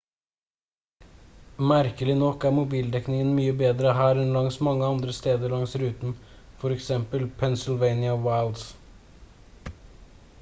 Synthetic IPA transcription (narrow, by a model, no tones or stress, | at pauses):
mæɾkəlɪnɔkːæɾmʊbiːld̪ɛknɪŋənmyːəbeːd̪ɾəɦæːɾɛnlɑŋsmɑŋːəɑnd̪ɾəst̪eːd̪əɭɑŋsɾʉːt̪n̩ | fɔɾɛksɛmpəlpʰɛnsɪlʋeɪnɪɑwɑɪld̪s